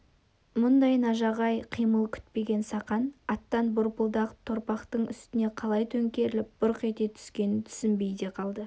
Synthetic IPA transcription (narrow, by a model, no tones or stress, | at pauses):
mʊnd̪ɑjnɑʒɑʁɑjqʰijməlˠkʲʰʏ̥t̪̚pe̞ɡʲe̞nsɑqɑnɑt̪ːɑnbʊɾpəlˠd̪ɑqə̥p̚t̪ʰoɾpɑqt̪əɴʏst̪ɪne̞qʰɑlˠɑjt̪ʰɵŋkʲe̞ɾɪlɪp̚b̥ʊɾqe̞t̪e̞t̪ʰʏ̥skʲe̞nɪnt̪ʰʏ̥sɪmbe̞jd̪e̞qʰɑlˠd̪ə